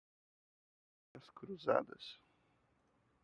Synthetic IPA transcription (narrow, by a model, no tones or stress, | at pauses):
ɐskɾuza̰d̪ɐ̰s